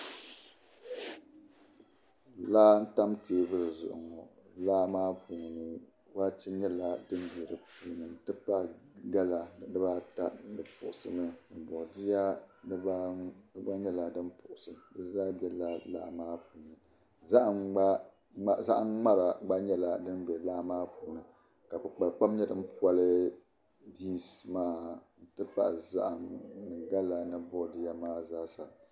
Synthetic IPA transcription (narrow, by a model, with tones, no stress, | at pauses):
laː˦n̩˦ta˦mteː˦˨bɨ˦ɾɨ˨zʊ̰˨ʔʊ̰˨ŋɔ˨ | laː˦maː˦pu˨ŋ˨nɨ˨ | waː˦t͡ʃɛ˦ɲɛ˦la˦dɨ˦mbi˨ɾɨ˨puː˦˨nɨ˨n˨tɨ˦pa˦˨ɡa˦la˨dɨ˦baː˦ta˦nɨ˨pʊ˨ʔʊ˨sɨ˨mɨ˦nɨ˨bɔ˨di˦ja˦bɨ˦ba˦ɲɛ˦la˨dɨ˦npʊ˨ʔʊ˨sɨ˨m˨dɨ˦zaː˦bɛ˦la˦laː˦maː˦puː˨nɨ˨ | za˦ʔa˨a˦ | za˦ʔa˦ŋ͡ma˦ɾa˨ɡ͡ba˦ɲɛ˦la˨dɨ˦nbɛ˨laː˦maː˦puː˨˦nɨ˨ | ka˨bɨ˨k͡pa˨lk͡pa˦mɲɛ˦dɨ˦m̩˦pu˦a˦lɨ˦ | biː˦smaː˦n̩˦tɨ˦pa̰˦ʔza̰˦ʔa˨m˨nɨ˨ɡa˦la˨nɨ˨bʊ˦˨di˦ja˦maː˦zaː˦sa˨